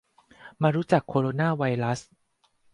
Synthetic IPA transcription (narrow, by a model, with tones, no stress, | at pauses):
maː˧ɾuː˦˥t͡ɕa˨˩kʰːoː˧ɾoː˧naː˥˩wa˧jɾa˦˥s